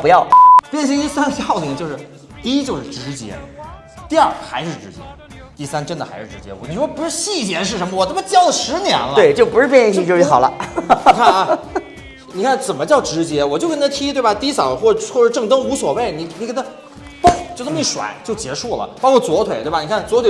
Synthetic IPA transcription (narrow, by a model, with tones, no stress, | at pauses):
pu˧˥jɑ˥˩ʊpjɛ˥˧nɕ̬i˥ŋt̪i˥˩sa˥nɡə˧ɕjɑ˥˩ʊli˨˩ŋt͡ɕjo˧ʊʂɻ̩˥˩ | t̪i˥˧i˥t͡ɕjo˥˧ʊʂɻ̩˥˩ʈ͡ʂɻ̩˧˥t͡ɕjɛ̰˧˥ | t̪i˥˧ɐ˞˥˩xa˧˥ɪʂɻ̩˥˩ʈ͡ʂɻ̩˧˥t͡ɕjɛ̰˧˥ | t̪i˥˩sa˥nʈ͡ʂə˥nd̪ə˨xa̰˧˥ɪʂɻ̩˥˩ʈ͡ʂɻ̩˧˥t͡ɕjɛ̰˧˥wɔ˧˥ni˨˩ʂwɔ˥pu˧˥ʂɻ̩˥˧ɕi˥˩t͡ɕjɛ˧˥ʂ̬ɻ̩˥˩ʂə˧˥mə˧wɔ˨˩t͡sə˥˩mə˧t͡ɕjɑ˥ʊlə˨˩ʂɻ̩˧˥njɛ̰˧˥nltwe˥˩ɪt͡ɕjo˥˩ʊpu˧˥ʂɻ̩˥˧p̬jɛ˥˧i˥˧ŋt͡ɕʰi˥˧˩t͡ɕji˥xɑ˨˩ʊlə̰˦˧˩kʰa˥˧n˧ | ni˨˩kʰa˥˩nt͡sə˨˩nmə˦t͡ɕjɑ˥˩ʊʈ͡ʂɻ̩˧˥t͡ɕjɛ˧˥wɔ˨˩t͡ɕjo˥˧kə˥nt̪ʰa˥t̪ʰi˥t̪we˥˩ba˩t̪i˧˥sɑ˨˩˦ʊxwɔ˥˧˩xwʂɻ̩˥˧ʈ͡ʂɤ˥˩ŋt̪ɤ˥ŋu˧˥swɔ˨˩we˥˩ɪni˨˧˩ni˧kə˧˥nə˧ | po˥˧˩ŋt͡ɕo˥˩t̪i˥˩ʂwa̰˨˩˦nt͡ɕjo˥˩ʊt͡ɕjɛ˧˥ʂu˥˩lə̰˩˦pɑ˥ŋwɔ˨˩t͡swɔ˧˥t̪ʰwe˨˩ɪt̪wni˨˩kʰa˥˩nt͡swɔ˧˥t̪ʰwe˨˩